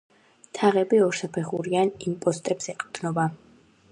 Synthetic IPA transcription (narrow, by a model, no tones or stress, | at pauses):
t̪ʰaʁɛbiɔɾsapʰɛχuɾianimpʼɔst̪ʼɛpsɛqʼd̪̥nɔba